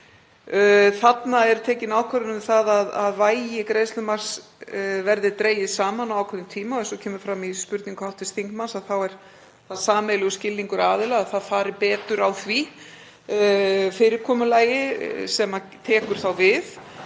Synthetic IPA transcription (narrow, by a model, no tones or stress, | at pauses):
θat̪naɛɾt̪ʰɛːcɪnaːwkʰvɛɾʏnʏθaðaðaðvaːjjɪkɾeːjst̪lʏmar̥s | vɛɾðɪt̪ɾeːjɪðsaːmanawawkʰɛnʏmt̪ʰiːmaɔɛnsɔcʰɛːmʏɾ̥fɾamispʏɾt̪niŋkhawht̪ɪst̪θiŋk̪mansaðθawɛɾ̥ | θaðsaːmejlɪɣʏscɪlniŋkʏɾaːðɪlaɣaðθaðfaːɾɪpɛːt̪ʏɾawθvi | fɪːɾɪɾkʰɔːmʏlaːjɪsɛmat̪ʰɛːkʏɾ̥θawvɪθ